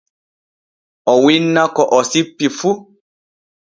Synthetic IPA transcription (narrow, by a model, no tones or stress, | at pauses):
ɔwinːãkɔʔɔsipːifu